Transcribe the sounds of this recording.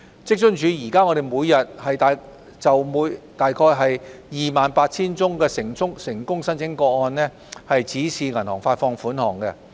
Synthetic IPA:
t͡sɪ˥k̚t͡ʃɵ˥ŋt͡ʃyː˨˧jiː˨˩kaː˥ŋɔː˨˧ɾe˨jmuː˨˧jːɐ˨t̚hɐ˨jt̪aː˨ | t͡sɐ˨wmuː˨˧˥jt̪aː˨jkʰɔː˧jɦɐ˨jjiː˨maː˨npaː˧t̚t͡sʰiː˥nt͡sʊ˥ŋkɛː˧sɪ˨˩ŋt͡sʊ˥ŋsɪ˨˩ŋkʊ˥ŋsɐ˥nt͡sʰɪ˨˥ŋkɔː˧ɔː˧nnɛ˥ | hɐ˨jt͡siː˨˥siː˨ŋɐ˨˩nhɔ̰ː˨˩ŋfaː˧t̚fɔː˧ŋfuː˨˥nhɔː˨˩ŋkɛ˧

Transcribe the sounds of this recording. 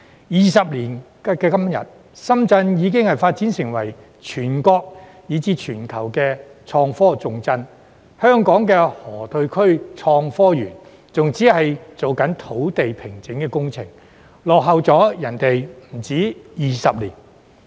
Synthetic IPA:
jiː˨˩sɐ˨p̚liː˨˩n | kɛː˧kɐ˥m˥˨jɐ̰˨t̚ | sɐ˥mt͡sɐ˧njiː˨˧k̬ɪ˥ŋhɐ˨jfaː˧t̚t͡siː˨˥nsɪ˨˩ŋwɐ˨˩j | t͡ʃʰyː˨˩nkɔː˧k̚ | jiː˨˧t͡siː˧t͡ʃʰyː˨˩nkʰɐ˨˩wkɛː˧t͡ʃʰɔː˧ŋfɔː˥t͡sʊ˨˧ŋt͡sɐ˥n | hœː˥ŋkɔː˨˥ŋkɛː˧hɔː˨˩t̪ʰɵ˧ɥkʰɵ˥ɥt͡ʃʰɔː˧ŋfɔː˥jyː˨˩n | t͡sʊ˨ŋt͡siː˨˥hɐ˨jt͡so˨wkɐ˨˥nt̪ʰo˨˥wt̪e˨jpʰɪ˨˩ŋt͡sɪ˨˥ŋkɛː˧kʊ˥ŋt͡sʰɪ̰˨˩ŋ | lɔː˨k̚ɦɐ˨wt͡sɔː˨˥jɐ˨˩nt̪e˨jm̩˨˩t͡siː˨˥jiː˨sɐ˨p̚lḭː˨˩n

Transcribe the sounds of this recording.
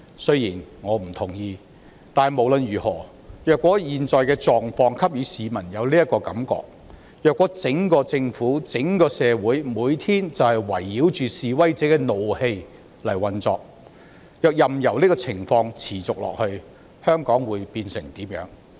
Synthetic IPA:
sɵ˥ɥjiː˨˩nŋɔː˨˧m̩˨˩t̪ʰʊ˨˩ŋjiː˧ | t̪aː˨mo˨˩wlɵ˨˧nɥyː˨˩hɔː˨˩ | jœː˨kwɔː˨˥jiː˨nt͡sɔː˨jkɛː˧t͡sɔː˨ŋfɔː˧ŋkʰɐ˥p̚jyː˨˧siː˨˧mɐ˨˩njɐ˨˧wliː˥ɐ˥t̚kɔː˧kɐ̰˨˥mkɔ̰ː˧k̚ | jœː˨kwɔː˨˥t͡sɪ˨˥ŋkɔː˧t͡sɪ˧ŋfuː˨˥t͡sɪ˨˥ŋkɔː˧sɛː˨˧wuː˨˥jmuː˨˧jt̪ʰiː˥nt͡sɐ˨whɐ˨jwɐ˨˩jːiː˨˥wt͡ʃyː˨siː˨wɐ˥jt͡sɛː˨˥kɛː˧no˨whe˧j | lɐ˨˩jwɐ˨nt͡sɔː˨˧k̚ | jœː˨˧k̚jɐ˨mjɐ˨˩wliː˥kɔː˧t͡sʰɪ˨˩ŋfɔː˧ŋt͡sʰiː˨˩t͡sʊ˨k̚lɔ̰ː˨k̚hɵ˧ɥ | hœː˥ŋkɔː˨˥ŋwuː˨˧jpiː˧nsɪ˨˩ŋt̪iː˨˥mjœ̰ː˨˥ŋ

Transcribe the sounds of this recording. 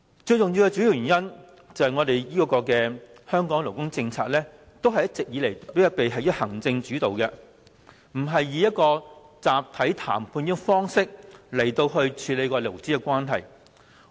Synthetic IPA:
t͡ʃɵ˧ɥjʊ˨ŋji˧wkɛ˧t͡ʃyː˨˥ji˨˧wɥy˨˩njɐ˥n | t͡sɐ˨whɐ˨jŋɔ˨˧d̪e˨jjiː˥˧˥kɔː˧kɛː˧ | hœː˥ŋkɔː˨˥ŋlo˨˩wkʊ˥ŋt͡sɪ˧ŋt͡sʰaː˧k̚lɛː˥ | t̪o˥wɦɐ˨jɐ˥tt͡sɪ˨k̚jiː˨˧le˨˩jt̪pːjɐ˧˩pe˨jɦɐ˨jhɐ˨˩ŋt͡sɪ˧ŋt͡ʃyː˨˥t̪o˨wkɛ˧ | m̩˨˩ɦɐ˨jːiː˨˧jɐ˥t̚kɔː˧t͡saː˨p̚t̪ʰɐ˨˥jt̪ʰa̰ː˨˩mpʰuː˧nji˥fɔː˥ŋsɪ˥k̚lɐ˨˩jt̪o˧wɦɵ˧ɥt͡ʃʰyː˨˧˥le˨˧jkɔː˧lo˨˩wt͡siː˥ɛ˧kʷaː˥nɦɐ̰˨˩j

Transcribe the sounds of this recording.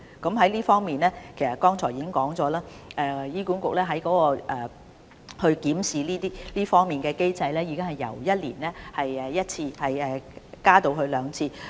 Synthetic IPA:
kɐ˨˥mɦɐ˨˥jliː˥fɔː˥ŋmiː˨nɛː˥kʰe˨˩sɐ˨t̚kɔː˥ŋt͡sʰɔː˨˩jiː˨˥kɪ˥ŋkɔː˨˥ŋt͡sɔː˨˥laː˥ʔɛː˨˧jiː˥ku˨˥nkʊ˨k̚lɛː˥ɦɐ˨˥jkɔː˨˥kɔː˧ʔɛː˨˩ | hɵ˧ɥkiː˨˥msiː˨liː˥t̪iː˥liː˥fɔː˥ŋmiː˨nkɛː˧ke˥jt͡sɐ˧jlɛː˥jiː˨˧kɪ˥ŋhɐ˨jːɐ̰˨˩wjɐ˥t̚lḭː˨˩nlɛː˥hɐ˨jɛː˨˩jɐ˥t̚t͡sʰiː˧hɐ˨jɛː˨˩kaː˥t̪o˧wɦɵ˧ɥlœː˨˧ŋt͡sʰiː˧

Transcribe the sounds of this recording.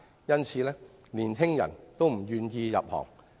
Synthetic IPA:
jɐ˥nt͡sʰiː˨lɛː˥ | liː˨˩nɦɪ˥ŋjɐ̰˨˩nt̪o˥wm̩˨˩jyː˨˧njiː˧jɐ̰˨p̚hɔ̰ː˨˩ŋ

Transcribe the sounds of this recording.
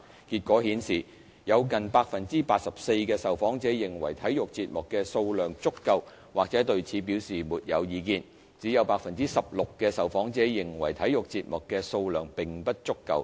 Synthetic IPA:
kiː˧t̚kʷɔː˨˥hiː˨˥nsiː˨˩ | jɐ˨˧wkɐ˨npaː˧k̚fɐ˨nt͡siː˥paː˧t̚sɐ˨p̚se˧jkɛː˧sɐ˨wfɔː˨˥ŋt͡sɛː˨˥jɪ˨˩ŋwɐ˨˩jt̪ʰɐ˨˥jjʊ˨k̚t͡siː˧t̚mʊ˨kːɛː˧so˧wlœː˨˩ŋt͡sʊ˥kːɐ˧w | waː˨k̚t͡sɛː˨˥t̪ɵ˧ɥt͡sʰiː˨˥p̬i˨˥wsiː˨muː˨t̚jɐ̰˨˧wjiː˨˧kiː˧n | t͡siː˨˥jɐ˨˧wpaː˧k̚fɐ˨nt͡siː˥sɐ˨p̚lʊ˨kːɛː˧sɐ˨˩wfɔː˨˥ŋt͡sɛː˨˥jɪ˨˩ŋwɐ̰˨˩jt̪ʰɐ˨˥jʊ˨k̚t͡siː˧t̚mʊ˨kːɛ˧so˧wlœː˨ŋpɪ˨˩ŋpɐ˥t̚t͡sʊ˥kːɐ̰˧w

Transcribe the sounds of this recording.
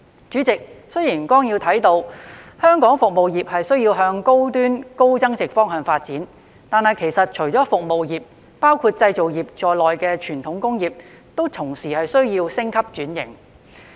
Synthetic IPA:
t͡ʃyː˨˥t͡sɪ˨k̚sɵ˥ɥjiː˨˩nkɔː˥ŋjiː˧wt̪ʰɐ˨˥jt̪o˧whœː˥ŋkɔː˨˥ŋfʊ˨k̚mo˨wjiː˨p̚hɐ˨jsɵ˥ɥjiː˧wɦœː˧ŋko˥wt̪yː˥nko˥wt͡sɐ˥ŋt͡sɪ˨k̚fɔː˥ŋɦœː˨˩ŋfaː˧t̚t͡siː˨˥n | t̪aː˨˧nhɐ˨jkʰe˨˩jsɐ˨t̚t͡ʃʰɵ˨˩ɥt͡sɔː˨˥fʊ˨k̚mo˨wjiː˨p̚ | paː˥wkʰuː˧t̚t͡sɐ˧jt͡so˨wjiː˨p̚t͡ʃɔː˨jlɔː˨jkɛː˧t͡ʃʰyː˨˩nt̪ʰʊ˨˧˥ŋkʊ˥ŋjiː˨p̚ | t̪o˥wt̪ʰʊ˨˩ŋsiː˨˩hɐ˨jsɵ˥ɥjiː˧wsɪ˥ŋkʰɐ˥p̚t͡ʃyː˨˥njɪ̰˨˩ŋ

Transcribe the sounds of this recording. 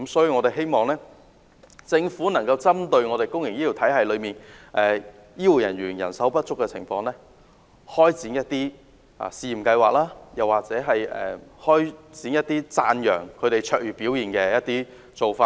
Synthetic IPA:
kmsɔː˨˥jy˧ŋɔ˨˧t̪e˨jɦe˥jmɔː˨˩ŋlɛː˥ | t͡sɪ˧ŋfuː˨˥nɐ˨˩ŋkɐ˧wt͡sɐ˥mt̪ɵ˧ɥŋɔː˨˧t̪e˨˩jkʊ˥ŋjɪ˨ŋjiː˥jiː˨˩wt̪ʰɐ˨˥jhɐ˨jlɵ˨˧ɥmiː˨˩nʔɛː˨˩ | jiː˥wu˨˩jɐ˨˩nɥyː˨˩njɐ̰˨˩nsɐ˨˥wpɐ˥t̚t͡sʊ˥kːɛ˧t͡sʰɪ̰˨˩ŋfɔː˧ŋlɛː˥ | hɔː˥jt͡siː˨˥njɐ˥t̚t̪iː˥ | ʔa̰ː˨˩siː˧ji˨˩kɐ˧jwaː˨k̚laː˥jɐ˨˩waː˨k̚t͡sɛː˨˥ɦɐ˨jɛ̰˨hɔː˥jt͡siː˨˥njɐ˥t̚t̪iː˥t͡saː˧njœː˨˩ŋkʰɵ˨˧ɥɾe˨jt͡ʃʰœː˧˥k̚jyː˨piː˨˥wjiː˨˩nkɛː˧jɐ˦˥t̚t̪iː˥ | t͡so˨wfaː˧

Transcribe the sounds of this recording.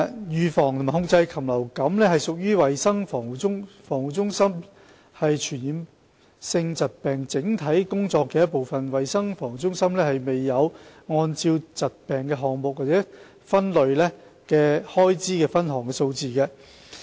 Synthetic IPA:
jyː˨˧fɔː˨˩ŋt̪ʰma˨˩hʊ˥ŋ̚t͡sɐ˧jkʰɐ˨˩mlɐ˨˩wkɐ˨˥mlɛː˥hɐ˨˩jsʊ˨k̚jyː˥wɐ˨jsɐ˥ŋfɔː˨˩ŋu˨˩ʊ˥ŋfɔː˨˩ŋwu˨t͡sʊ˥ŋsɐ˥m | hɐ˨jt͡ʃʰyː˨˩njiː˨˧m | sɪ˧ŋt͡sɐ˨t̚pɛː˨˩ŋt͡sɪ˨˥ŋt̪ʰɐ˨˥jkʊ˥ŋt͡sɔː˧kːɛː˧jɐ˥t̚po˨wfɐ˨nwɐ˨jsɐ˥ŋfɔː˨˩ŋ˨˩t͡sʊ˥ŋsɐ˥mlɛː˥hɐ˨jme˨jːɐ˨˧wŋɔː˧nt͡siː˧wt͡sɐ˨t̚pɛː˨˩ŋkɛː˧ɦɔː˨ŋmʊ˨k̚waː˨t͡sɛː˨˦˥ | fɐ˥nlɵ˨ɥlɛː˥kɛː˧hɔː˥jt͡siː˥kɛː˧fɐ˥nɦɔː˨˩ŋkɛː˧so˧wt͡siː˨kɛ˧

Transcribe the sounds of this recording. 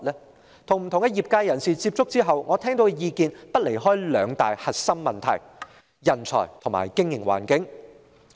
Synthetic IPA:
lɛː˥ | t̪ʰʊ˨ŋm̩˨˩t̪ʰʊ˨ŋkɛ˧jiː˨p̚kaː˧jɐ˨˩nsiː˨˩t͡siː˧p̚t͡sʊ˥k̚t͡siː˥ɦɐ˨wŋɔː˨˧t̪ʰɛː˥ŋt̪o˨˥wkɛ˧jiː˧kiː˧npɐ˥t̚le˨˩jɦɔː˥jlœː˨˧ŋt̪a̰ː˨jhɐ˨t̚sɐ˥mmɐ˨nt̪ʰɐ̰˨˩j | jɐ˨˩nt͡sʰɔ̰ː˨˩jt̪ʰʊ˨˩ŋma̰ː˨jkɪ˥ŋjɪ˨˩ŋwa̰ː˨˩nkɪ˨˥ŋ

